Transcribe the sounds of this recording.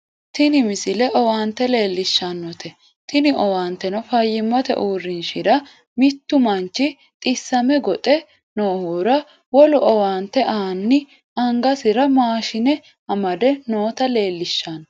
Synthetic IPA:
t̪ɪnɪmɪsɪlɛʔɔwaːnt̪ːɛle̞ːlːɪʃːɐnːɔt̪ʰɛ | t̪ɪnɪʔɔwaːnt̪ːɛnɔfɐjːɪmːɔt̪ɛ̰ʔuːrːɪnʃɪd̪ɐ | mɪt̪ːʊmɐnt͡ʃːɪ | t̪ʼɪsːɐmɛɡɔt̪ʼɛ | noːhuːɾɐ | wɔlʊʔɔwaːnt̪ːɛʔaːnːɪ | ɐŋɡɐsɪɾɐmaːʃɪnɛ | ɐmɐd̪ɛnoːt̪ɐle̞ːlːɪʃːan

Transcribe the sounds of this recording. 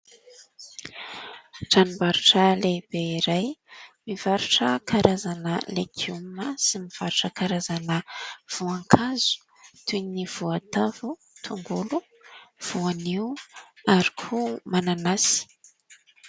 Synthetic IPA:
ʈ͡ʂanibaɾuʈ͡ʂaleb̥eiɾajmiv̥aɾuʈ͡ʂəkaɾʔazanəlekʰiuməsimiv̥aɾuʈ͡ʂəkaɾazanəv̥uaŋkʰazu̥ | t̪univ̥uat̪avu | t̪ʰuŋɡulu | v̥uaniuaɾikʰumananasi̥

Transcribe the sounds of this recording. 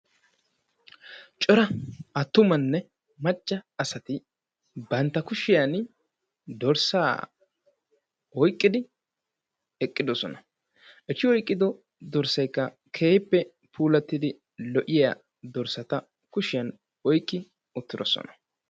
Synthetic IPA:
t͡ʃʼɔɾɐɐt̪ːʊmɐnːɛ | mɐt͡ʃʼːɐɐsɐt̪ɪ | bɐnt̪ːɐkʊʃɪjɐn | d̪ɔɾsa̰ː | ɔjkʼːɪd̪ɪ | ɛkʼːɪd̪ɔsɔnɐ | ʔɛt͡ʃːɪwɔjkʼːɪd̪ɔ | d̪ɔɾsɐjkːɐ | kʰe̞ːhɪpːɛ | pʰuːlɐt̪ːɪd̪ɪ | lɔʔɪja̰ | d̪ɔɾsɐt̪ɐ | kʊʃɪjɐn | ɔjkʼːɪ | ʊt̪ːɪd̪ɔsɔ̰nɐ̥

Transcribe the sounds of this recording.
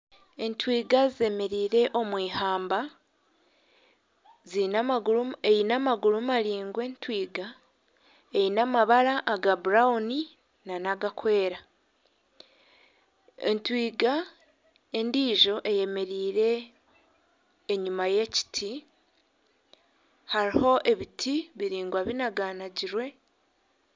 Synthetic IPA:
e̞ntwiːɡazie̞me̞ɾiːɾe̞ʔo̞mwiːhaːmba | zi | ejinamaɡulumaɾiːŋɡwe̞ntwiːɡa | ejinamaβaɾaʔːɡabuɾaoni | nanaɡakwe̞ːɾa | ḛntwiːɡa | e̞ndiːʒo̞ʔe̞je̞me̞ɾiːɾe̞ | ɲumaje̞ci̥tʰi | haɾiho̞ʔe̞βitʰiβiɾiːŋɡwaβinaɡaːnaɟiɾwe̞

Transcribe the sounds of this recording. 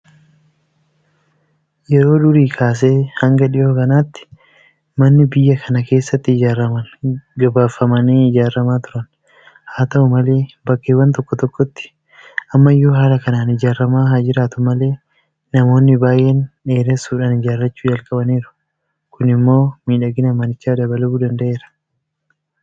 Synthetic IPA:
jɛɾo̞ːᶑʊɾiːkʰaːs̬e̞ːhɐŋɡɐᶑɪʔoːkɐnaːt̪ːɪ̥ | mɐnːɪbɪjːɐkʰɐnɐke̞ːsːɐt̪ːɪɪd͡ʒaːɾːɐmɐnɡɐbaːfːɐmɐneːɪd͡ʒaːrːɐmaːt̪ʊɾɐn | haːt̪ɐʊmɐle̞ːbɐkːeːwɐnt̪ɔkːɔt̪ɔkːɔt̪ːɪ̥ | ʔɐmːɐɪjoːɦaːlɐkɐnaːnɪd͡ʒaːrːɐmaːɦad͡ʒɪɾaːt̪ʊmɐle̞ː | nɐmo̞ːnːɪbaːjʔeːnᶑe̞ːɾesuːᶑaːnɪd͡ʒaːɾːɐt͡ʃːuːd͡ʒɐlkʼɐbɐniːɾʊ̥ | kʊnɪmːo̞ːmiːᶑɐɡɪnɐmɐnɪt͡ʃːaːd̪ɐbɐlɐbuːd̪ɐnd̪ɐʔe̞ːɾɐ̥

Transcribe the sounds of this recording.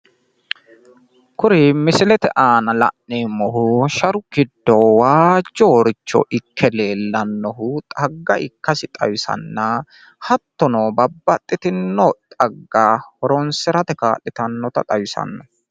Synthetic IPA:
kʊɾɪmɪsɪlɛt̪ɛʔaːnɐlɐʔneːmɔɦʊʃɐɾʊkɪd̪ːɔwaːd͡ʒːoːɾɪt͡ʃːɔ̰ʔɪkʰːɛleːlːɐnːɔhʊt̪ʼɐɡːɐʔɪkːɐsɪt̪ʼɐ̰wɪsɐ̰nːɐ | hɐt̪ːɔnoːbɐbːɐt̪ʼːɪt̪ɪnːɔt̪ʼɐɡːaːhɔɾɔnsɛɾɐt̪ɛka̰ːlːɪt̪ɐnːɔt̪ɐ̰t̪ʼɐwɪsɐ̰nːɔ

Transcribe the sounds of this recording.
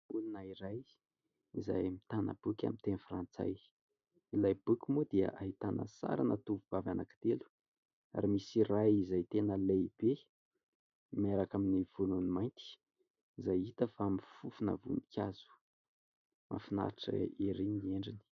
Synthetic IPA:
ulunaiɾaj | iza̰jmit̪anə̰b̥ukʲa̰mint̪enifrant͡sa̰j | ilajbukʲumud̪iə̰ʔaɦit̪anə̰sa̰ɾanat̪uvuvavanaki̥t̪elu̥ | a̰ɾimisirajizajt̪enəleb̥e | maɾakaminivununimajnt̪i̥ | izajit̪əfaamifufunə̰vṵnikʲʰazu̥ | mʔa̰fina̰ɾaʈ͡ʂə̰eɾiɲieɳɖ͡ʐini̥

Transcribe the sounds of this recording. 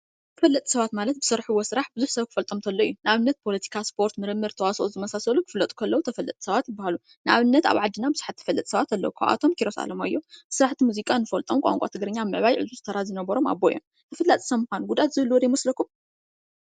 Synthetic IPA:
t̪ʰɨfɐlːɐt̪ʼi̥sɐβat̪malɐt̪̚bɨsɨɾħuwːosɨɾaħbɨzuħsɐβkʰɨ̥fɐlt̪ʼomt̪ʰɐlːoḭjːunɨaβɨnːɐt̪̚pʰo̞lɐt̪ʰi̥kʰaspʰo̞ɾt̪mɨɾɨmːɨɾt̪ʰɐwasoʔozɨmɐsasɐlukʰɨflɐt̪ʼu̥kʰɐlːɐwut̪ʰɐfɐlːɐ̰t̪ʼi̥sɐβat̪jɪbːahalu | nɨʔa̰βɨnːɐt̪a̰βʕad̪ɨnabɨzu̥ħat̪ʰːɐ̥fɐlːɐt̪ʼsɐβat̪ɐlːɐ̰wukʰa̰βʔa̰t̪ʰo̞mkʰiɾo̞sa̰lɐmajːobɨsɨɾaħt̪ʰimuzikʼanːɨfɐlt̪ʼomkʷʼa̰ŋkʼa̰t̪ʰɨɡɾɐɲːaβmɨʕβajʕɨ̰zuzɨt̪ʰɐɾazinɐβɐɾo̞ma̰bːoj̰o̰m | t̪ʰɐfɐlːɐt̪ʼi̥sɐmuxanɡud̪at̪zɨβɨlːuwɔd̪ɐjimɐslɐkʰːum

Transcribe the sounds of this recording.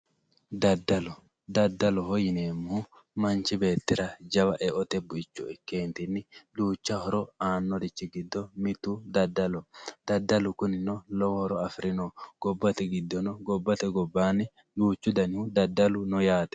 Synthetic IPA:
d̪ɐd̪ːɐlɔ | d̪ɐd̪ːɐlɔɦɔjɪneːmːu | mɐnt͡ʃɪbe̞ːt̪ːɪɾɐd͡ʒɐwɐʔɛʔɔt̪ɛbʊjt͡ʃːʊɛkeːnt̪ɪnːɪd̪uːt͡ʃːɐhɔɾɔaːnːɔd̪ɪt͡ʃːɪɡɪd̪ːɔmɪt̪ud̪ɐd̪ːɐlɔd̪̥ɐd̪ːɐlʊkʊnɪnɔlɔwɔhɔɾɔɐfɾɪnɔɡ̥ɔbːɐt̪ɛɡɪd̪ːɔnɔɡɔbːɐt̪ɛɡɔbːaːnːɪ | d̪uːt͡ʃːʊd̪ɐnɪhud̪ɐd̪ːɐlʊnɔjaːt̪ɛ̥

